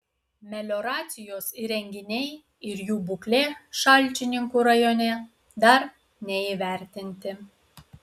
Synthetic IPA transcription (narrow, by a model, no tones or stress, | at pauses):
mʲɛlʲoɾɑːsʲɪjosiɾʲɛŋʲɡʲɪnʲej | ɪɾjuːbuklʲeːʃɑlʲt͡ʃʲɪnʲɪŋkuɾɐjonʲɛ | d̪ɑɾ | nʲɛiʋʲæɾʲt̪ʲɪnʲt̪ʲɪ